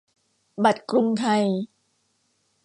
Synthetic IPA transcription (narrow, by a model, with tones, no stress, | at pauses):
ba˨˩t̪̚kɾu˧ŋt̪ʰa˧j